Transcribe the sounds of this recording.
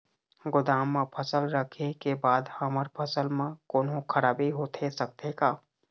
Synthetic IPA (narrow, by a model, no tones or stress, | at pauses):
ɡʊd̪aːmːãpʰəsəlɾəkʰekebaːd̪həməɾpʰəsəlmẽkoːnɦõkʰəɾaːbiɦoːt̪ʰesək̚t̪ekaː